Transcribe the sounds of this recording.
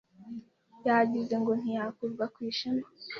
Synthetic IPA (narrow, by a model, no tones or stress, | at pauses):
jaɟize̞ŋɡo̞n̥ijakuɾɡakwiːʃama